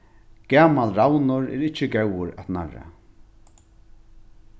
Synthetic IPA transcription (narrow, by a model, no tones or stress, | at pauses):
ɡ̥aːmalɾawnʊɾɛ̰ɾɪt͡ʃːɪɡɛwʊɾat̪na̰ra̰